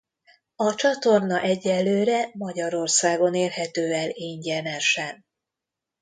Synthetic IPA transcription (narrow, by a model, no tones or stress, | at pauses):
ɒt͡ʃɒt̪o̞rnɒʔɛɟːɛlːøːɾɛmɒɟɒɾo̞rsaːɡo̞neːrhɛt̪øːɛleːɲɟɛnɛʃɛn